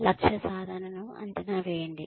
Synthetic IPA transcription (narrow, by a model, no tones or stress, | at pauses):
lɐkʂɐsaːd̪ʱaːnɐnɐmɐ̰nd̪ɐnaːʋeːɳɖi